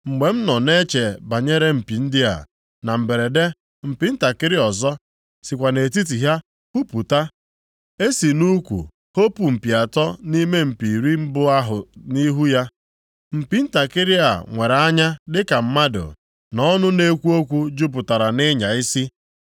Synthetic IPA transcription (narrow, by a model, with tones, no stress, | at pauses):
ŋ͡m̩˨ɡ͡be˨m̩˦nɔ˨ne˦t͡ʃe˨ba˨ɲe˦ɾe˦m̩˨pi˨n̩˦dɪ˦a̰˨ | na˨m̩˨be˨ɾe˨de˦ | m̩˨pi˨n̩˦ta˨kɪ˦ɾɪ˦ɔ˨zɔ˦ | si˨kʷa˨ne˨t̬i˦t̬i˨ɦja˦ | hu˦pu˨ta˦ | e˦si˨nu˦kʷṵ˨ | ho˦pu˨m̩˨pi˨a˨tɔ˦ni˦me˦m̩˨pi˨ɾi˦m̩˦bʊ˦a˦ɦʊ˨ni˦ɦu˦ja˦ | m̩˨pi˨n̩˦ta˨kɪ˦ɾɪ˦a̰˨ŋʷe˨ɾa˨a˦ɲa˦dɪ˦ka˨m̩˦ma˦dʊ̰˨ | nɔ˦nʊ˦ne˦kʷu˦o˦kʷu˦d͡ʒu˦p̬ʊ˨ta˨ɾa˨nɪ˦ɲa˨i˦si˦